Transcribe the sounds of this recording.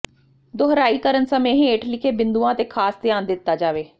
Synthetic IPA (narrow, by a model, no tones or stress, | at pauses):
d̪oɦɾaːiːkəɾənsəmẽːɦeːʈʰlɪkʰeːbɪnd̪uːãːt̪eːkʰaːsd̪ɪjaːnd̪ɪt̪ːaːd͡ʒaːʋeː